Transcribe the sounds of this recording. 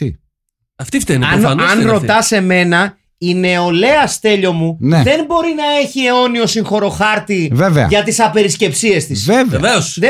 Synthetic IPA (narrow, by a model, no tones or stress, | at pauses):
ḭ | ɐft̪ift̪enɐnɐnoɐnɾo̞t̪ɐse̞me̞nɐ | ine̞o̞le̞ɐst̪e̞ʎo̞muneðe̞nbo̞ɾinɐe̞çie̞o̞nio̞siŋxo̞ɾo̞xɐɾt̪iveveɐ̰ʝɐt̪isɐpe̞ɾisce̞psie̞st̪iseeveosð